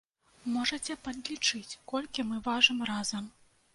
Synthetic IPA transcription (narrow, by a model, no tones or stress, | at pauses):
mɔʐɐt͡sʲɛpɐd̪ʲlʲit͡ʂɨt͡sʲkɔlʲkʲimɨvaʐɨmrazɐm